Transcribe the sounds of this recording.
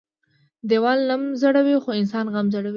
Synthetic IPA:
d̪ewɑlnamzaɽawixoɪnsɑnɣamzaɽawi

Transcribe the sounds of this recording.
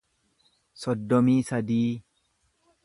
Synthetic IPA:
sɔd̪ːɔmiːsɐd̪iː

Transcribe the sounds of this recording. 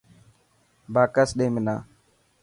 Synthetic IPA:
baːkəsɗẽːmɪnã̰ː

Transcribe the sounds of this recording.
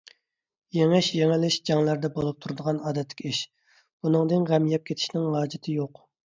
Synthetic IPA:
jeŋɪʃjeŋɪlɪʃd͡ʒɑŋlˠæɾd̪ɛbolˠup̚t̪ʰuɾɨd̪əʁɑnɑːd̪ɛt̪ʰːɪ̥kʲiʃ | b̥unɨŋd̪ɨnʁɛmijɛp̚kʲʰet̪ʰɪ̥ʃnɪŋɦɑːd͡ʒɪt̪ʰɪjoq

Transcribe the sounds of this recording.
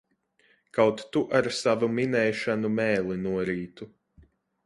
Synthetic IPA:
kawt̪ːuʔaɾsavuminɛjʃanumɛːlˠinuɔɾiːt̪u

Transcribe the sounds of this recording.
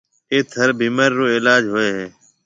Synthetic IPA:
eːt̪ʰəɾbʱiːməɾːoːɪːlaːd͡ʒɦoːeːɦeː

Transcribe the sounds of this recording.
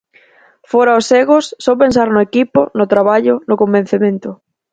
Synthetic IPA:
fɔɾaoseɣʊsːɔpẽns̬aɾnʊekipʊ̰nʊt̪ɾaβ̞aʎʊnʊkombẽn̟θemẽnt̪ʊ

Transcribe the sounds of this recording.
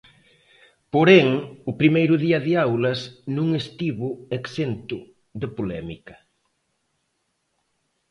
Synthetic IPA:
poɾɛŋʊpɾimejɾʊðiɐðɪawlɐsnũŋest̪iβʊeksent̪ʊ | ðepolɛ̰mikɐ̥

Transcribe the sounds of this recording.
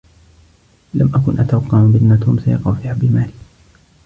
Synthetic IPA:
lamʔakʊnʔat̪awɑqːɑʕbɪʔnːat̪uːmsajɑ̰qɑwfiːhabɪmaːlɪ

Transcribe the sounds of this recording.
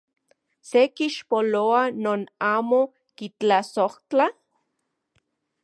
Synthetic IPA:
sekiʃpoloanoːnaːmo | kit͡ɬasoht͡ɬa

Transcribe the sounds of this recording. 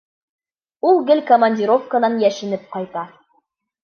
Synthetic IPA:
ulˠɡɘlkomɐnʲdʲiɾo̞fkənɑnjæʃɘ̆nɘp̚qɒjt̪ɑ

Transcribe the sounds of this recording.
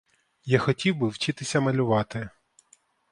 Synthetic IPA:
jaxɔtʲiwbɪwt͡ʃɪt̪ɪsʲɐmɐlʲʊʋɑt̪ɪ

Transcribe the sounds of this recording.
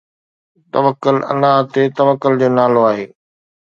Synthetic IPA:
t̪ɐʋəkːʊlɐ̰laɦt̪et̪ɐʋəkːʊld͡ʑoːnaːloaːɦeː

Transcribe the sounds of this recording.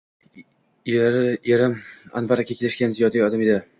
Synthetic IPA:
eɾɪma̰nvaɾakʲakʲʰelɪʃkʲanzijɒd̪aɒd̪amɪd̪a

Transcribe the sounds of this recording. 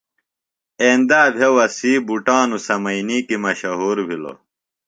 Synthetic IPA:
eːnd̪aːbʱjewɐsiːbuʈãːnusɐmɐiniːkimɐɕɐɦoːɾbʱilo̰

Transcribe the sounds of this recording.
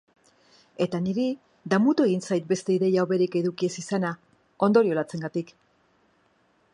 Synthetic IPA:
e̞t̪aniɾi | d̪amut̪ue̞ɣinsajt̪̚be̞st̪e̞iðe̞jawβe̞ɾike̞ðukie̞sisana | o̞nd̪o̞ɾio̞lat͡se̞ŋɡat̪ik

